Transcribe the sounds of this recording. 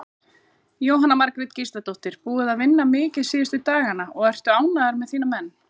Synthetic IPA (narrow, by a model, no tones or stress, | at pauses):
jowɦanamaɾkɾɪt̪cist̪at̪oht̪ɪɾ̥puːʏðaðvɪnːamɪːcɪðsiːɪst̪ʏt̪aːɣanaɔɣɛr̥t̪ʏaːwnaðaɾmɛðθiːnamɛnː